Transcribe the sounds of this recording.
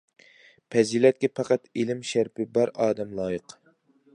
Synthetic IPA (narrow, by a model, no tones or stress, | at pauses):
pʰɛzilɛt̪̚kʲɛpʰɑqɑt̪elɪmʃæɾpɪbɑɾɑːd̪ɛmlˠɑːjɨq